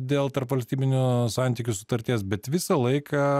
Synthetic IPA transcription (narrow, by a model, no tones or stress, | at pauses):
d̪ʲeːlˠt̪ɐɾpʋɐlʲsʲt̪ʲiːbʲɪnʲʊsɑˑnʲt̪ʲikʲʊsʊt̪ɐɾʲt̪ʲiɛsbʲɛt̪ʋʲɪsɐlˠɐɪkʰɐ